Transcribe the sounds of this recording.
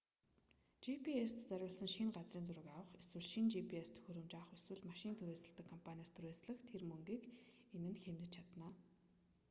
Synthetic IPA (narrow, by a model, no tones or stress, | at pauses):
t͡ɕipʰiest̪t͡sœɾʲʊːɮsə̆ŋʃiŋɢat͡sriːnt͡sʊɾə̆kawə̆χeswɘ̆ɮʃint͡ɕipʰiest̪ʰɵ̥xʲɵɾɵ̆mt͡ɕaːχɵswɘ̆ɮmaʃiːnt̪ʰɵɾeːsə̆ɮt̪ə̆kʰːɔmpʰanʲiaːst̪ʰuɾeːsɮə̆xt̪ʰermɵŋɡiːkenɘ̆nxemt̪ɘ̆t͡ɕʰat̪naː